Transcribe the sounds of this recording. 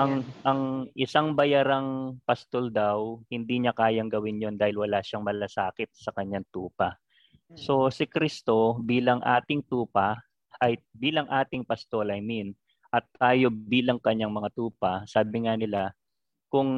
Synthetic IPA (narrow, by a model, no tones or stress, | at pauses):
ʔɐŋʔɐŋʔɪsaŋbɐjaɾaŋpɐst̪old̪awhɪnd̪iːɲɐkaːjɐŋɡɐwɪnjo̞nd̪aːhɪlwɐlaːʃaŋmɐlɐsaːkɪt̪̚sɐkɐɲːaŋt̪uːpɐ | so̞sɪkɾist̪o̞biːlɐŋʔa̰ːt̪ɪŋt̪uːpɐ | ʔɐjbiːlɐŋʔaːt̪ɪŋpɐst̪o̞lɐjmin | ʔɐt̪̚ːaːjo̞biːlɐŋkɐɲːaŋmɐŋat̪uːpɐsaːbɪŋanɪla | kʊŋ